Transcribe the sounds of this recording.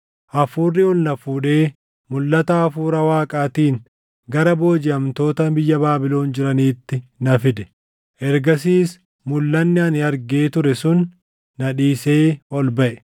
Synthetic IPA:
ʔɐfuːrːɪʊlnɐfuːᶑe̞ː | mʊlːɐt̪ɐːfuːɾɐwaːkʼaːt̪iːŋ | ɡɐɾɐbo̞ːd͡ʒɪɐmt̪o̞ːt̪ɐbɪjːɐbaːbɪlo̞ːnd͡ʒɪɾɐniːt̪ːɪnɐfɪd̪ɛ̥ | ʔɛɾɡɐs̬iːs | mʊlːɐnːɪɐnɪɐɾɡe̞ːt̪ʊɾɛsʊnː | ɐᶑiːse̞ːɔlbɐʔɛ

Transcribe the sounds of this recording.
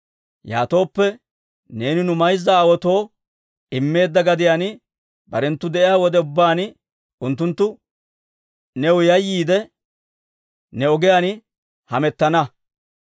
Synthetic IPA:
ja̰ːt̪o̞ːpːɛ | ne̞ːnɪnʊmɐjzːɐːwɔt̪o̞ː | ɪmːe̞ːd̪ːɐɡɐd̪ɪjanɪ | bɐɾɛnt̪ːʊd̪ɛʔɪjaːwɔd̪ɛʊbːaːn | ʊnt̪ːʊnt̪ːʊ | nɛwʊjɐjːiːd̪ɛ | nɛɔɡɛjaːn | hɐmɛt̪ːɐnɐ

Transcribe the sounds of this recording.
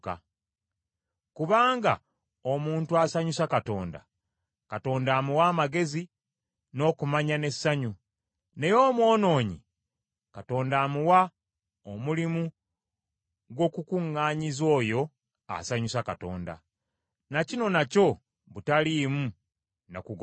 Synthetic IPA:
ka̰ | kuβaːŋɡa̰ | omuːntuasaɲusakato̞̰ːnda̰ | kato̞ːndaːmuwaːmaɡe̞zi | no̞ːkumaɲane̞sːaɲu | ne̞jo̞ːmwo̞ːno̞ːɲḭ | kato̞ːndaːmuwa | omulimu | ɡo̞kukuŋːaːɲizo̞ːjo̞ | a̰saɲusakato̞̰ːnda̰ | nacino̞naco̞ | βutalimu | nokuɡ

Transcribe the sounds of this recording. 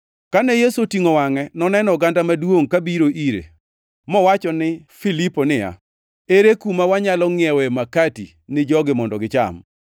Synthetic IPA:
kanɛjesotiŋowaŋɛnɔnɛnɔɡandamadwoŋkabiɾoʔiɾḛ | mɔwat͡ʃɔnɪfiliponɪja̰ | eɾekumawaɲalɔŋɪɛwɛmakati | nɪd͡ʒɔɡɪmɔndɔɡɪt͡ʃa̰m

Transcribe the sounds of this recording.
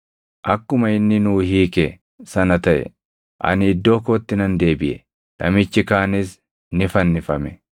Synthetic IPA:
ʔɐkːʊmɐɪnːɪnuːhiːkɛ | sɐnɐt̪ɐʔɛ̰ | ʔɐ̰nɪd̪ːo̞ːkoːt̪ːɪnɐnd̪e̞ːbɪʔɛ | nɐ̰mɪt͡ʃːɪkaːnɪs | nɪfɐnːɪfɐmɛ

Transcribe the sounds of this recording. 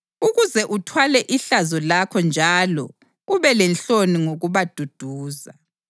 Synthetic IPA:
uɣuzɛʔutʰwalɛʔiɬazɔlakʰɔnd͡ʒʱalɔ̰ | uβɛlɛnɬoniŋoɣuβad̥ʱud̥ʱuːza

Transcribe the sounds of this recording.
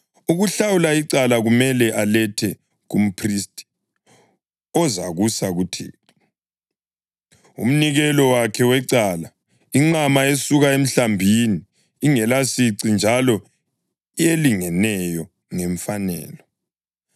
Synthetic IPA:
uɣuɬawulaiǀalaɣumɛlɛʔalɛtʰɛ | ɣum̩pʰristʼi̥ | ɔzaɣusaɣutʰḭ | ṵm̩niɣɛlɔwakʰɛwɛǀala | iŋ͡ǀamaesuɣaem̩ɬambʱiniː | ŋɛlasiǀind͡ʒʱalɔ | ieliŋɛnɛjɔ | ŋɛɱfanɛ̰ːlɔ

